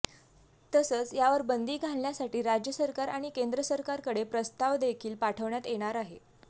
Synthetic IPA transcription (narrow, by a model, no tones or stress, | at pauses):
t̪əsəːt͡sjaʋəɾbənd̪iːɡʱalnjasaʈiːɾad͡ʑjəsəɾkaɾaɽ̃ikend̪ɾəsəɾkaɾkəɽepɾəst̪aʋd̪ekʰiːlpaʈʰəʋɳjat̪jeɽ̃aɾaɦe